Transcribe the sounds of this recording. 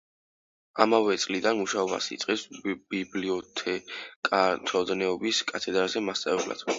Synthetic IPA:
amavɛt̪sʼlid̪anmuʃaɔba̰sḭt̪sʼqʼɛsb̥ibliɔt̪ʰɛkʼat̪ʰɔd̪nɛɔbiskʼat̪ʰɛd̪ɾazɛmast̪sʼavɛbla̰d̪̥

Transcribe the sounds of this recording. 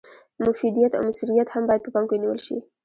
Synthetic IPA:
mʊfid̪ijat̪a̰wmɪsuɾijat̪hambɑjad̪̚pəpɑŋkeniwə̰lʃḭ

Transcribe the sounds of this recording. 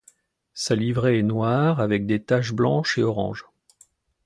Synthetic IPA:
salivʁeɛnwaʁavɛk̚d̪et̪aʃblɑ̃ʃeɔʁɑ̰̃ʒ

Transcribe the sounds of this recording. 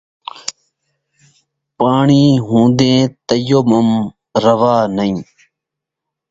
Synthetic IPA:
paːɳiːɦũːd̪ẽːt̪əjoːməm | ɾəʋaːnəĩː

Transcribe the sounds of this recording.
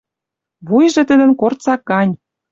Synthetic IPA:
βujʒĕt̪ə̆d̪ə̆nkort̪t͡sɑkːɑnʲ

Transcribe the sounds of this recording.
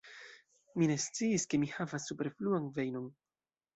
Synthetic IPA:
mine̞st͡siiske̞mihavasːupeɾfluanve̞jno̞n

